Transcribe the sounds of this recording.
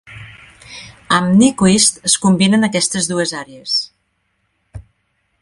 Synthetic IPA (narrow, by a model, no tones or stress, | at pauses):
əmnikuist̪əskumbinənəkɛst̪əzðuezaɾees